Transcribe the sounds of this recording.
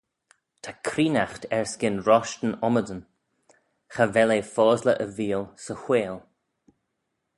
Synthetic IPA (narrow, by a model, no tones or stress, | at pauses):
t̪ʰakʰɾiːnaxt̪ʰɛɹskɪnɹɔʃtənɔmədən | xavɛleːfɔːzləʔəviːlsəxweːl